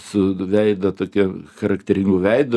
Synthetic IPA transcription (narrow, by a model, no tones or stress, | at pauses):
sʊʋʲɛɪd̪ɐt̪oːkʲɛxɐɾɐkt̪ʲɛɾʲɪŋɡʊʋʲɛɪd̪o